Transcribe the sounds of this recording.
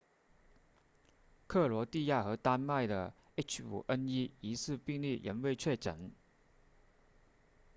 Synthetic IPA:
kʰɤ˥˩lwɔ˧˥t̪i˥˧ja˥˩xɤ˧˥t̪a˥nma˥˩ɪd̪ə˩ | e˥t͡ɕʰṵ˨˩ʔə˥ni˥i˧˥sɹ̩˥˧pi˥˧ŋli˥˩jʔə̰˧˥nwe˥˧ɪt͡ɕʰɥɛ˥˩ʈ͡ʂə̰˨˩˦n

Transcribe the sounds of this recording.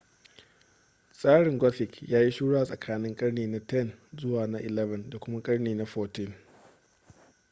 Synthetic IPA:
sʼaː˦ɽɪ˨ŋɡʷɔ˦ɸɪ˨kjaː˦ji˦ʃuː˦ɽa˦a˨sʼɐ˨kʰaː˦nɪ˦ŋkʼɐ˦rneː˨na˦tɛ˦˨nzʊ˦waː˨na˦ʔɪ˨lɛ˦vɐ˨nda˨kʷʊ˦ma˦kʼɐ˦ɽneː˨na˦ɸɔː˨tɪ˦m

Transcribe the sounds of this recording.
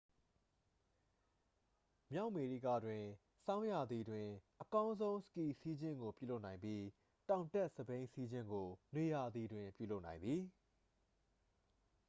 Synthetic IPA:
mja˦ʊʔme˨ɹḭ˦˨ɡä̰˦˨dwɪ̃˨ | sã˦ʊ̃ja˨d̪i˨dwɪ̃˨ʔəkã˦ʊ̃nzõ˦ʊ̃sə̥ki˦˨si˦d͡ʑɪ̃˦˨ŋɡo˨pjṵ˦˨lo˦ʔnã˨ɪ̃mbji˦ | tã˨ʊ̃ntɛ˦ʔsəbẽ˦ɪ̃si˦d͡ʑɪ̰̃˦ŋɡo˨nwe˨ja˨d̪i˨dwɪ̃˨mpjṵ˦˨lo˦ʊʔnã˨ɪ̃mbi˨

